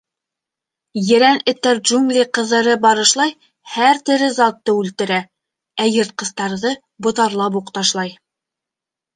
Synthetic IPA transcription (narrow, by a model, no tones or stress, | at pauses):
jɘ̆ɾænɘ̆t̪ːæɾʒuŋɡlʲiqɤ̆ðɤ̆ɾɤbɑɾɤ̆ʃlˠɑj | hæɾt̪ɘ̆ɾɘzɑt̪ːɤʉlt̪ɘ̆ɾæ | æjɤ̆ɾt̪̚qɤ̆st̪ɑɾðɤ | bŏt̪ɑɾlˠɑp̬uqt̪ɑʃlˠɑj